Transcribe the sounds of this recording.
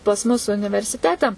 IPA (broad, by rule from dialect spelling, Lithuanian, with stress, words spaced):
pɐs ˈmʊs ʊnʲɪʋʲɛrʲsʲɪˈtʲæːtʲɛ